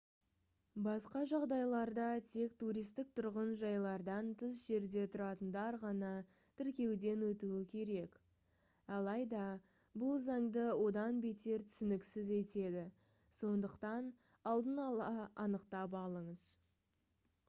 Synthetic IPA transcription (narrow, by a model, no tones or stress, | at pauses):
bɑsqɑʒɑʁd̪ɑjlˠɑɾd̪ɑt̪ʰe̞k̚t̪uɾijst̪ɪk̚t̪ʰʊɾʁənʒɑjlˠɑɾd̪ɑnt̪ʰəzʒe̞ɾd̪e̞t̪ʰʊɾɑt̪ənd̪ɑɾʁɑnɑ | t̪ʰɪɾkʲe̞wd̪e̞nwɵt̪uɪkʲʰe̞ɾe̞k | ɑlˠɑjd̪ɑ | bʊlˠzɑɴd̪əwo̞d̪ɑnbe̞t̪e̞ɾt̪ʰʏ̥sɪnɪksɪze̞t̪e̞d̪ɪ | so̞nd̪əqt̪ɑn | ɑlˠd̪ənɑlˠɑɑnəqt̪ɑp̬ɑlˠəɴəz